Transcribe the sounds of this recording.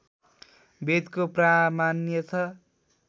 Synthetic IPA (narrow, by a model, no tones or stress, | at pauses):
bed̪kopramanjʌt͡sʰʌ